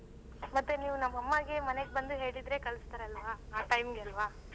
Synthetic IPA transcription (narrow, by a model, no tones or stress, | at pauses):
mɐt̪ːuniːʋunɐmːɐmːaɡe̞mɐneɡebɐnd̪uɦe̞ːɭid̪ɾe̞kɐlɐst̪aːɾeɐlʋaːaːʈɐjmɡeɐlʋaː